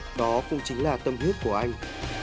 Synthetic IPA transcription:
ɗɔ˨˦kʊ̰˧˥ŋ͡mt͡ɕŋ̟laː˨˩t̪ə˧mhi˦˥əp̚ku˧˩əʔa˧jŋ̟

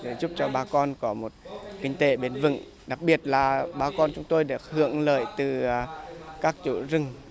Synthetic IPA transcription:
ze˨˩˦zʊ˦˥p̚t͡ɕɔ˧ɓaː˧kɔ˧nkɔ˨˦mo˨˩t̚kï˧ŋ̟t̪e˨˦ɓe˨˦nvɨ̰˧˨ŋ | ɗa˨˩k̚ɓi˨˩ət̚laː˨˩ɓaː˧kɔ˧nt͡ɕʊ˨˦ŋ͡mt̪o˧jɗe˧˩hɨ̰˧˨əŋlə̰ː˧˨jt̪ɨ˨˩˧kaː˦˥k̚t͡ɕu˧˨˩zɨ˧˩ŋ

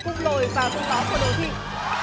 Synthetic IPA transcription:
kʊ˧ŋ͡mlo˨˩jvaː˨˩kə˧ŋ͡mɓaː˨˦wku˧˩əɗo˨˧˩jt̪ʰḭ˨ən

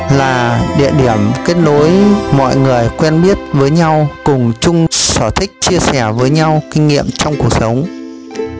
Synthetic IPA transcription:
laː˨˩ɗḭ˧˨əɗi˧˩əmke˦˥t̚ɗo˨˦jmɔ̰˧˨jŋɨ˨˩əjkwɛ˧nɓi˦˥ət̚vəː˨˦jɲa˧wkʊ˨˩ŋ͡mt͡ɕʊ˧ŋ͡msəː˧˩t̪ʰï˦˥k̟̚t͡ɕi˧əsɛ˧˩vəː˨˦jɲa˧wkï˧ŋ̟ŋḭ˧˨əmt͡ɕɔ˧wŋ͡mku˨˩ə˩k̚sə˨˦wŋ͡m

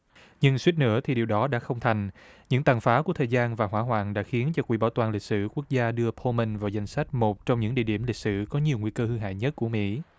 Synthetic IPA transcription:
ɲɨ˧ŋswi˦˥t̚nɨ̰˧˥ət̪ʰi˨˩ɗi˨˩əwɗɔ˨˦ɗa̰ː˧˥xə˧wŋ͡mt̪ʰa˨˩jŋ̟ɲɨ̰˧˥ŋt̪aː˨˩ŋfaː˨˦ku˧˩ət̪ʰəː˨˩jzaː˧nvaː˨˩ɦwaː˧˥ɦwa̰ː˧˨ŋɗa̰ː˧˥xi˨˦ənt͡ɕɔ˧kwḭ˧˩ɓaː˧˩wt̪waː˨˩lï˨˩k̚sɨ̰˧˩ku˦˥ək̚zaː˧ɗɨ˧əpʰo˧mə˧nvaː˨˩wza˧jŋ̟sa˦˥jk̟̚mo˨˩t̚t͡ɕɔ˧wŋ͡mɲɨ̰˧˥ŋɗḭ˧˨ɗi˧˩əmli˨˩k̚sɨ̰˧˩kɔ˨˦ɲi˨˩əwŋwi˧kəː˧hɨ˧ɦa̰ː˧˨jɲə˦˥t̚ku˧˩əmḭ˧˥

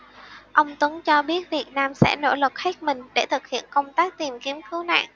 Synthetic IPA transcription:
ʔə˧wŋ͡mt̪wə˨˦ŋt͡ɕɔ˧ɓi˦˥ət̚vi˨˩ət̚naː˧msɛ̰˧˥no̰˧˥˩lə˨˩t̚ha˦˥k̚mï˨˩ŋ̟ɗe˧˩t̪ʰɨ˨˩k̚hḭ˧˨ənkə˧wŋ͡mt̪aː˦˥k̚t̪i˨˩mki˧˩˦əmkɨ˨˦wna̰ː˧˨ŋʔ

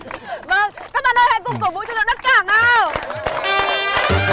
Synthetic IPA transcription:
və˧˩ŋkaː˦˥k̚ɓaː˨nəː˧jha̰˧˨jkʊ˨˩ŋ͡mkə˧˩wvṵ˧˨t͡ɕɔ˧zə̰˧˨ɗə˦˥t̚kaː˧˩ŋʔaː˧

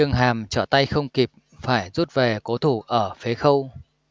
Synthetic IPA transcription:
ɨ˧əŋɦaː˨˩mt͡ɕɔ˧˩t̪a˧jxə˧wŋ͡mki˨˩p̚ | faː˧˩jzu˦˥t̚ve˨˩ko˨˦t̪ʰu˧˩ʔəː˧˩fe˨˦xə˧w

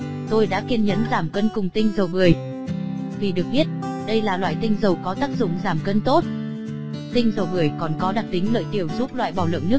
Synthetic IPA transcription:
t̪o˧jɗa̰ː˧˥ki˧ənɲə̰˧˥nzaː˧˩mkə˧nkʊ˨˩ŋ͡mt̪ï˧ŋ̟zə˨˩wɓɨ˨˩əj | t̪ʰi˨˩ɗɨ˨˩ək̚ɓi˦˥ət̚ | ɗə˧jlaː˨˩lwa̰ː˧˨jt̪ï˧ŋ̟zə˨˩wkɔ˨˦t̪aː˦˥k̚zʊ̰˧˨ŋ͡mzaː˨˩mkə˧nt̪o˦˥t̚ | t̪ï˧ŋ̟zə˨˩wɓɨ˨˩əjkɔ˨˩nkɔ˨˦ɗa˨˩k̚t̪ï˨˦ŋ̟lə̰ː˧˨jt̪i˨˩əwzu˦˥p̚lwa̰ː˧˨jɓaː˨˩wlə̰˧˨nnɨ˦˥ək̚

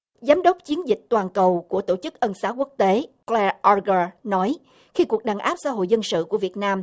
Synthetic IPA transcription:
zaː˨˦mɗə˦˥wp̚t͡ɕi˨˦ənzï˨˩k̟̚t̪waː˨˩nkə˨˩wku˧˩ət̪o˧˩t͡ɕɨ˦˥k̚ʔə˧nsaː˨˦wku˦˥ək̚t̪e˨˦klɛ˧ʔɔ˧ɣə˧˩nɔ˨˦j | xi˧ku˨˩ək̚ɗaː˨˩ŋʔaː˦˥p̚sa̰ː˧˦ɦo̰˧˨jzə˧nsɨ̰˧˨ku˧˩əvi˨˩ət̚naː˧m

